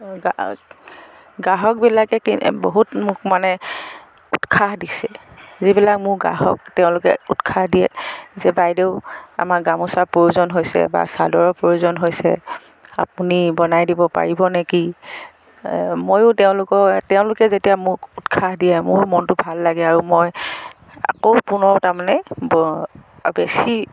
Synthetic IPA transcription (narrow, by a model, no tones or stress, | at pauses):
ɡa | ɡaɦɔk̚bilakɛkiboɦutmʊkmanɛ | utkʰaɦdisɛzibilak̚mʊɹɡa̰ɦɔ̰k̚tɛʊ̃lʊkɛ̰utkʰahdijɛ̰zɛbajdeʊa̰maɡamʊsapojuzɔnɦojsɛ̰ba̰sadɔɹɔpɹojuzɔnɦojsɛ̰ | a̰p̚unibɔnajdibɔpa̰ɹibɔnɛki | mojʊtɛʊ̃lʊkɔtɛʊ̃lʊkɛzetijamʊkutkʰaɦdijɛmʊɹmɔntʊbʱalːaɡɛaɹumoj | a̰koʊpʊnɔtamanɛb | besi